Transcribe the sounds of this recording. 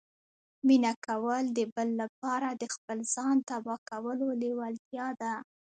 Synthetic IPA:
minakawəld̪əbəlːap̚ɑɾad̪əxpəlz̥ɑnt̪abɑkawəlolewalt̪jɑd̪a

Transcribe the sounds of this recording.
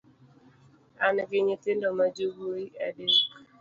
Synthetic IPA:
anɡɪɲitɪndɔmad͡ʒiɡoiɛde

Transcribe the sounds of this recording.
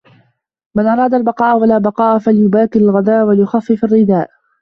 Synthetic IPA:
manʔɑɾˤɑːd̪albɑqɑːʔwalaːbɑqɑːʔfaljʊbaːkɪalɣad̪aːʔwaljʊxɑfːɪfarːɪd̪aːʔ

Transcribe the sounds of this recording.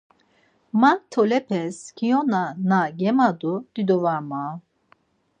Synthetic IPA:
mant̪ʰɔlɛpʰɛskʰijɔnanaɡɛmad̪ud̪̥id̪ɔvama

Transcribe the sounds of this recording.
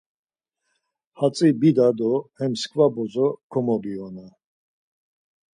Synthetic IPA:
hat͡sʼibid̪ad̪ɔhɛmskʰvabɔzɔkʰɔmɔbiɔna

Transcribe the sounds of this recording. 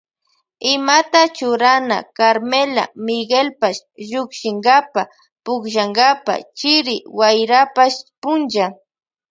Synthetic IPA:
ɪmat̪at͡ʃʊɾana̰kaɾmela̰mɪɡelpaʃʒʊkʃɪŋɡapa | pʊkʒaŋɡapa̰t͡ʃɪɾɪwajɾapaʃpʊnd͡ʒa

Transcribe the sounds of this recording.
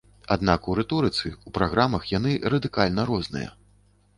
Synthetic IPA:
ad̪nakuɾɛt̪ɔɾɨt̪sɨupɾaɣɾamɐxjan̪ɨɾɐd̪ɨkalʲnɐɾɔznɨ̰jɐ̰

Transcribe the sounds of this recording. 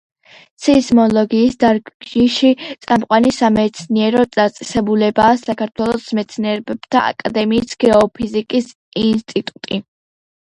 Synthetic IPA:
t̪sʰɛzmɔlˠɔɡiːsd̪aɾɡʒiʃit̪sʼamqʼwanisamɛt̪sʰniɛɾɔd̪at̪sʼɛ̥sɛbulɛbaːsakʰaɾt̪ʰwɛlˠɔsmɛt̪sʰniɛɾbɛb̥t̪ʰa̰a̰kʼad̪ɛmiːsɡ̥ɛɔpʰizikʼis | inst̪ʼit̪ʼut̪ʼi

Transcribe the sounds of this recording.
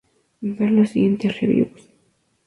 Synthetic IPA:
beɾlosiɣjent̪esreβjṵβus

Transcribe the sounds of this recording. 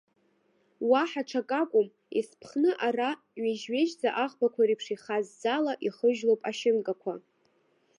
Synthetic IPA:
waħaʈ͡ʂʰakʼakʷʼʊm | ispʰχnɨʔara | ɥeʒɥe̞ʒzaʔaχbakʷʰaɾipʰʂiχazːalaʔiχəʒlowpʼaʃɪnkʼakʷʰa

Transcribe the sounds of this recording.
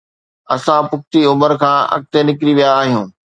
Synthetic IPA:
ɐsãpʊk̚ʰt̪iʊməɾkʰãːɐ̰k̚t̪enɪkɾiʋijaːɦijũː

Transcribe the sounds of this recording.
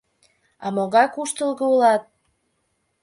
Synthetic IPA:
ɑ̰moɣɑjkuʃt̪əlɣoulɑt̪̚

